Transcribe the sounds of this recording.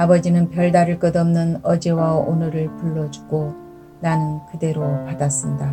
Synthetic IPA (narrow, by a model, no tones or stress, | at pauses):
abʌd͡ʑinɯnpjʌɭdaɾɯɭk͈ɯdʌmnɯnʌd͡ʑe̞waonɯɾɯɭpuɭːʌd͡ʑu̥ɡ̥o | nanɯnkɯde̞ɾopadas͈ɯnda